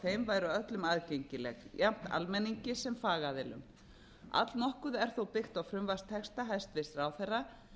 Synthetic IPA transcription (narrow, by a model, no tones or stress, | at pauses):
θejmvaːjɾʏœt̪lʏmaːðcejɲcɪlɛ̰ɣjam̥t̪a̰lmɛniɲcɪsɛmfaːɣaðɪlʏ̰m | a̰t̪lnɔhkʏðɛɾ̥θowpɪxt̪awfɾʏmvast̪ʰːɛkst̪aɦajst̪vɪsraːwθɛjrːa